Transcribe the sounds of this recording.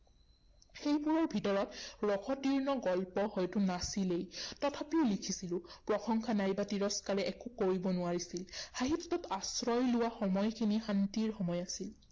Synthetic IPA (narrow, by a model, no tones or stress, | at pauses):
xejbuɹɔɹbʱitɔɹɔtɹɔkʰɔtiɹnɔɡɔlpɔhɔjtʊnasilejtɔtʰapiʊlikʰisilʊ̃pɹɔxɔŋkʰanajbatiɹɔskaɹɛʔɛkʊkoɹibɔnʊaɹisilxaɦitːɔtasɹɔjlʊwaxɔmɔjkʰinixantiɹxɔmɔjasil